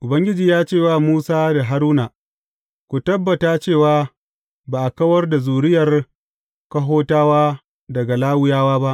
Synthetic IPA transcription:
ʔʊ˨bɐ˦ŋɡʲɪ˦d͡ʒiː˨jaː˦t͡ʃeː˦˨waː˦˨muː˦saː˦da˨ɦa˦ɾuː˦naː˨ | kʷu˨tɐ˦bːɐ˨taː˦t͡ʃeː˦˨waː˦ | baː˨ʔa˨kɐ˦wɐ˦rda˨zuː˨ɽɪ˦jɐ˨r | kɐ˦ɦoː˦taː˦waː˦ | dɐ˨ɡa˨laː˦wʊ˦jaː˦waː˦ba˦ʔ

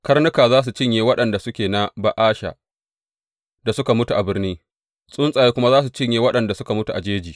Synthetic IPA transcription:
kɐ˦rnʊ˦kaː˨zaː˦s̬u˨t͡ʃɪ˦ɲjeː˨wɐ˦ɗɐ˨nda˨sʊ˦kʲeː˨na˦ba˨ʔaː˦ʃa̰˨ | da˨sʊ˦ka˨mʊ˦tu˨ʔa˨bɪ˦rniː˦ | sʼʊ˦nsʼaː˨jeː˦kʷʊ˦ma˦zaː˦s̬u˨t͡ʃɪ˦ɲjeː˦wɐ˦ɗɐ˨nda˨sʊ˦ka˨mʊ˦tu˨ʔa˨d͡ʒeː˦d͡ʒiː˨

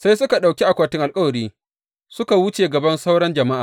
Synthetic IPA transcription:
sa˦jsʊ˦ka˨ɗa˨wkʲi˦ʔa˨kʷaː˨tɪ˦ŋʔa˨lkʼɐ˦wɐ˨ɾiː˦ | sʊ˦ka˨wʊ˦t͡ʃeː˨ɡɐ˨bɐ˦nsa˦wɽɐ˦nd͡ʒɐ˨ma˦ʔaː˨

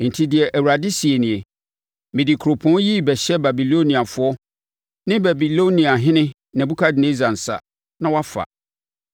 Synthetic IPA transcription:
n̩˨tʰi˦dɪ˨ɛ˨ʔæ˨wu˨ɾa˨dɪ˦si˨e˨nĩ˨e˨ | mɪ̃˨dɪ˨kʰɾo˨pʰɔ̃˦ji˦bɛ˨ɕɛ˦ba˨bi˨lo˦nĩ˨a˨fʊ˦ɔ˦ | nɪ̃˦ba˨bi˨lo˦nĩ˨a˨ɦɪ̃˦nɪ̃˦ | nã˨bu˦kʰa˦dɪ˨nẽ˦za˨n̩˨sa̰˨ | nã˦wa˦fa̰˨

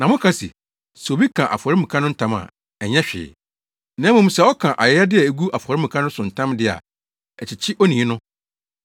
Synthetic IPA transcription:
nã˨mʊ̃˦kʰa˦sḭ˨ | so˨bi˦kʰã˨ʔa̰˨fɔ˨ɾɪ˦mĩ˨kʰã˦nʊ̃˦n̩˦tʰã˦ma̰˨ | ɛ˨ɲɛ̃˦ɕᶣɪ̰ː˨ | nã˦mʊ̃˨m̩̃˦sɛ˨ɔ˦kʰã˨ʔa˨jɛ˨˦a˦dɪ˦ɛ˨e˨ɡu˦ʔa˨fɔ˨ɾɪ˦mũ˨kʰã˦nʊ̃˦sʊ̃˨n̩˨tʰã˦mdɪ˦a̰˨ | ɛ˨t͡ɕɪ˨t͡ɕʰɪ˦ʔɔ˦nĩ˨˦nʊ̃˦

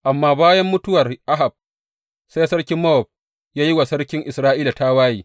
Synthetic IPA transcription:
ʔa˨mːaː˦baː˦jɐ˦mːʊ˦tʊ˦wɐ˨rʔa˦ɦa˨b̚ | sa˦jsɐ˦ɽkʲɪ˦mːɐ˦ɔ˨b̚ | jaː˦ji˦wa˨sɐ˦rkʲɪ˦ŋʔɪ˨sɾaː˦ʔiː˦la˨ta˦waː˦jiː˨

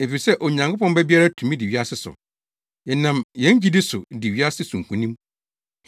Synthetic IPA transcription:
e˨fi˨sɛ˦ʔɔ˨ɲã˨ŋkʰʊ˦pɔ̃˦m˦bɛ˦bi˦a˦ɾa˦tʰũ˨mĩ˦dɪ˨ɥi˦a˦sɪ˦sʊ̰˨ | jɛ˨nã˨mjɛ̃˨˦ɲ˦d͡ʑi˦dɪ˦sʊ˨dɪ˨ɥi˦a˦sɪ˦sũ˨ŋ̩˨kʰũ˨nĩ˦m

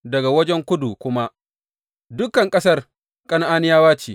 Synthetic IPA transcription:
dɐ˨ɡa˨wɐ˦d͡ʒɛ˦ŋkʷʊ˦du˨kʷʊ˦ma˦ʔ | dʊ˦kɐ˨ŋkʼɐ˦sɐ˦r | kʼɐ˦n˦ʔaː˦nɪ˦jaː˦waː˦t͡ʃiː˨

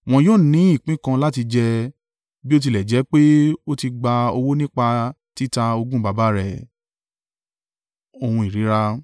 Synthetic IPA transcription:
w̃ɔ̃˧joː˦˨nĩ˨˦i˦˨k͡pĩ˦kã˧la˦ti˧d͡ʒɛ˧ | bi˦o˦t̬i˧lɛ˨d͡ʒɛ˨˦k͡pe˦o˦ti˧ɡ͡ba˧o˧wo˦nĩ˦k͡pa˧ | ti˦ta˧o˧ɡũ˦ɡ͡ba˨˦ba˦ɾɛ˨ | o˧hũ˧i˨ɾi˨˦ɾa˦

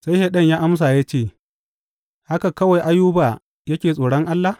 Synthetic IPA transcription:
sa˦jhɛ˨ɗɐ˦˨ɲjaː˦ʔa˦ms̬aː˨ja˦t͡ʃeː˦˨ | ha˦ka˨kɐ˦wa˨jʔa˦juː˦baː˨ | jɐ˦kʲeː˨sʼoː˨ɽɔ˦ŋʔa˦lːa˨

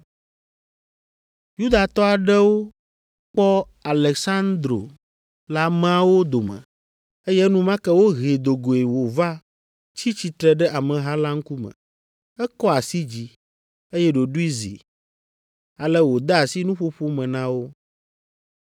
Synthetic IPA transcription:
ju˦d̪a˨t̪ɔ˦a˨ɖɛ˦wo˦ | k͡pɔ˦ | a˨lɛ˨ksa˦nd̪ɾo̰˨ | la˦mã˦wo˦d̪o˨mɛ̰̃˨ | e˦jɛ˦nũ˦mã˦kɛ˦wo˦ɦe˨d̪o˨ɡo˨e˨wo˨va˦ | t͡ɕi˦t͡ɕi˨t̪ɾɛ˦ɖɛ˦ʔa˨mɛ̃˨ɦa˦la˦ŋ̩˦ku˦mɛ̰̃˨ | ɛ˦kɔ˦a˨si˦d͡ʑi˦ | e˦jɛ˦ɖo˨ɖu˦i˦zḭ˨ | a˨lɛ˦wo˨d̪a˦a˨si˦nũ˦ɸo˦ɸo˦mɛ̃˨nã˦wo˦

